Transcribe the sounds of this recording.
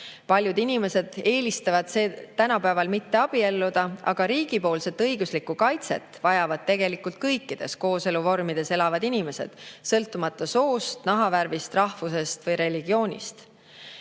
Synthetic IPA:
pɑlʲjud̪inime̞se̞d̪̥e̞ːlist̪ɑvɑd̪̥seːt̪ænɑpæevɑlmit̪ːe̞ɑb̥ie̞lːud̪̥ɑɑ̰ɡ̥ɑɾiːɡ̥ipo̞ːlse̞t̪ːˑɤjɡ̥uslikukɑjt̪se̞̰t̪ːˑvɑjɑvɑd̪̥̚t̪e̞ɡ̥e̞likult̪̚kɤjkːid̪̥e̞̰sko̞ːse̞luvo̞rmid̪̥e̞se̞lɑvɑd̪inime̞se̞̰d̪̥sɤlt̪ːˑumɑt̪ːˑɑso̞ːst̪nɑɦɑvæɾvist̪rɑhvuse̞st̪vɤjɾe̞liɡ̥io̞ːnʲḭst̪

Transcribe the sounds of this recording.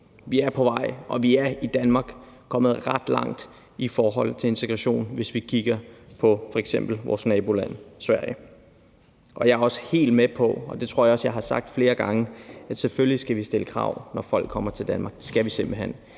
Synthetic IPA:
ʋiæɐpʰɒ̽ʋɑ̈ɪ̰ʔɒ̽ʋiæɐid̥ænmɑ̈ːɡ̥ | kʰɒ̽m̰ð̩ˠʁɑd̥lɑ̈ŋ̰d̥ | ifɒːɦɒ̽l̰t͡sʰe̝e̝nt͡sʰeɡ̥ʁɑɕo̝̰ːnʋe̝sʋikʰiɡ̥ɐpʰɒ̽fɒ̽eɡ̥sem̰b̥l̩ʋɒ̰ːsnɛːb̥o̝læn̰sʋæɐ̰jə | ʔɒ̽jɑ̈æɐɒ̽sə̥he̝̰ːld̥mepʰɒ̽ɒ̽d̥e̝t͡sʰʁo̝ɐ̰jɑɒ̽sjɑ̈ɪɦɑ̈sɑ̈ɡ̥̚d̥fle̝ːɐɡ̥ɑ̈ŋəæd̥seføllisɡ̥æʋisd̥e̝ləkʰʁɑ̰̈ʊ̰nɒfɒ̽l̰ɡ̥̚ʰːɒ̽m̰ɐt͡sʰeld̥ænmɑ̈ːɡ̥d̥esɡ̥æʋisemb̥l̩ɦen̰

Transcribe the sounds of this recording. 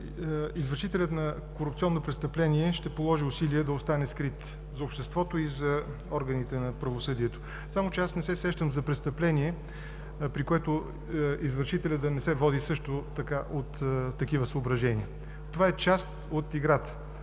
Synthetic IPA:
izvəɾʃit̪ɛlʲət̪nɐ | koɾʊpt̪iɔnːopɾɛtst̪ɐplɛniɛʃt̪ɛpolˠɔʒiʊsiliɛd̪ɐost̪anɛskɾit̪ | zɐopʃt̪ɛst̪vɔt̪oizɐ | ɔɾɡənit̪ɛnɐpɾɐvosɤd̪iɛt̪o̥ | samot͡ʃɛasnɛsɛsɛʃt̪əmzɐpɾɛst̪ɐplɛniɛ | pɾikoɛt̪o | izvəɾʃit̪ɛlʲəd̪d̪ɐnɛsɛvɔd̪isɤʃt̪ot̪ɐkaʔot̪ːɐkivəsəobɾɐʒɛniə | t̪ovaɛt͡ʃast̪ot̪iɡɾat̪

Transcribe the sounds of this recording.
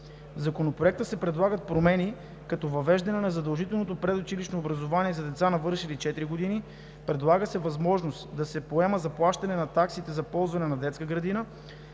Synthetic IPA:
zɐkonopɾoɛk̚t̪əsɛpɾɛd̪lˠaɡət̪̚pɾomɛni | kɐt̪ɔvɐvɛʒd̪ɐnɛnɐzɐd̪ɐlˠʒit̪ɛlˠnot̪̬opɾɛd̪ot͡ʃiliʃnoːbɾɐzovaniɛzɐd̪ɛt̪sanɐvɤɾʃilit͡ʃɛt̪ɾiɡod̪ini | pɾɛd̪lˠaɡəsɛvɐzmɔʒnost̪d̪ɐsɛpoɛməzɐplˠaʃt̪ɐnɛnɐt̪aksit̪ɛzɐpɔlˠzvɐnɛnɐd̪ɛt̪skəɡɾɐd̪inə

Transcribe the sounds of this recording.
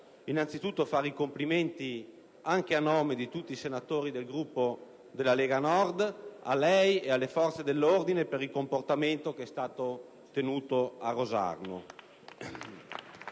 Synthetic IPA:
inant̪sit̪ut̪ːofaːɾikompliment̪i | aŋk̟eanoːmed̪it̪ut̪ːisenat̪oːɾid̪elɡɾupːo | d̪elːaleːɡanɔrd̪a̰lɛjealːefɔrt̪sed̪elːord̪inepeɾilkomport̪ament̪okeɛst̪aːt̪o | t̪enuːt̪oarːoza̰rno̰

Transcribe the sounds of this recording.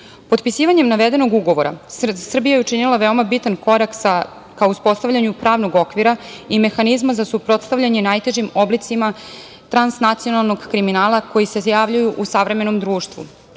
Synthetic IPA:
po̞t̪pisiːʋaɲe̞mnaʋe̞d̪e̞no̞ɡuɡo̞ʋo̞ɾa̰sr̩bijajeut͡ʃinilˠaʋe̞o̞mabit̪anko̞ɾaksa | kaouspo̞st̪avʎaɲupɾaːʋnoɡo̞kʋiɾaime̞xanizmazasupɾo̞t̪st̪avʎaɲe̞najt̪e̞ʒimo̞blit̪sima | t̪ɾansnat̪sijo̞nalˠno̞ɡkɾiminaːlˠako̞jisezjaʋʎujuʔusaʋɾe̞me̞no̞md̪ɾuːʃt̪ʋṵ

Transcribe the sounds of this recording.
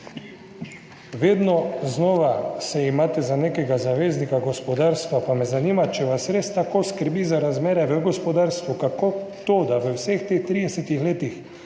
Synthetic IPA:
ʋeːd̪nɔznɔːʋasɛimaːt̪ɛzaneːkɛɡazaʋeːznikaɡɔspɔd̪aːɾst̪ʋapamɛzanimat͡ʃɛʋasɾeːst̪akoːskəɾbiːzaɾazmeːɾɛʋəɡɔspɔd̪aːɾst̪ʋukakot̪oːd̪aʋəwsext̪eːxt̪ɾid̪ɛsɛt̪ixleːt̪ix

